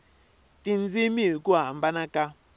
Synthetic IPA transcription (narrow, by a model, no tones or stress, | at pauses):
tind͡zimiɦikuɦambanaka